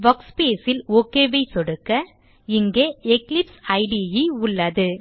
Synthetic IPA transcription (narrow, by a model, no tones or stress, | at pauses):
bɐkspeːsɪloːkːeːʋɐɪsɔɽɯkːɐ | ɪŋɡeːɛklɪpsɐɪɖijiʊɭːɐðɯ